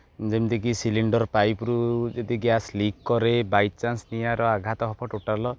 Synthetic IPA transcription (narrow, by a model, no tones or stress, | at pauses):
d͡ʒemd̪ik̬isiliɳɖɔɾpajpɾud͡ʒed̪iɡjaslikːɔɾebajt̚t͡ʃansnijaɾɔaɡʱat̪ɔɦɔpʰɔʈoʈalɔ